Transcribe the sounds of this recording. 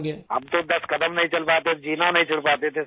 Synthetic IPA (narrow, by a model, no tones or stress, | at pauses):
keɐ̰b̚t̪od̪ɐskɐd̪əmnɐɦĩt͡ʃɐlpaːt̪et̪ʰd͡ʒiːnanɐɦĩt͡ʃɐlpaːt̪et̪ʰe